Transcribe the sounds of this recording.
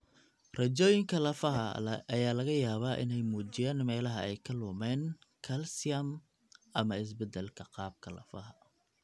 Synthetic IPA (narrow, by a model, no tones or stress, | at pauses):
rɐt͡ʃɔːjɪŋkʰɐlɐfɐɦɐɐjaːlɐɣɐjaːβaːʔɪ̰nɛjmuːt͡ʃɪjaːnmɛːlɐɦɐɛjkʰɐlʊmɛːnkʰɐlsɪɐm | ʔɐmɐɪs̬bɛd̪ɛlkʰɐqɑːb̚kʰɐlɐ̰fɐɦɐ